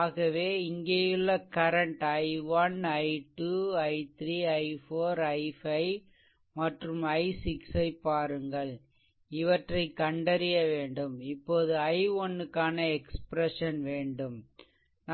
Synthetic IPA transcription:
ɣɐʋeːɪŋɡeːjɪɭːɐkɐɾɐɳʈɐɪʋɐnɐɪʈuːɐɪt̪ɾiːɐɪfoːɾɐɪfɐɪ | mɐʈrɯmɐɪsɪksɐɪpːaːɾɯŋɡɐɭ | ɪʋɐʈrɐɪkːɐɳɖɐɾɪjɐʋeːɳɖɯmɪpːoːðɯɐɪɔnːɯkːaːnɐɛkspɾɛʂɐnʋeːɳɖɯm | n

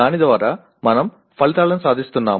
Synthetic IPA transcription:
aːnid̪ʋaːɾaː | mɐnɐm | pɐlit̪aːlɐnusaːd̪ʱist̪unːa̰ː

